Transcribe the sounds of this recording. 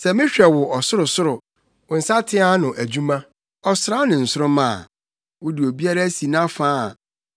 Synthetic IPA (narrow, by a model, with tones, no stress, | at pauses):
sɛ˨mɪ̃˦ɕᶣɛ˨wʊ˨ʔɔ˨sʊ˦ɾʊ˨sʊ˦ɾʊ˨ | ʊ˨n̩˨sa˦tʰɪ̃˦a˦nʊ̃˨ʔæ˨d͡ʑu˦mã˦ | ɔ˨sʊ˨ɾa˦nɪ̃˨n̩˨sʊ˦ʊ˦mã̰˨ | wʊ˦dɪ˨o˨bi˦a˦ɾæ˦si˨nã˦fãː˦˨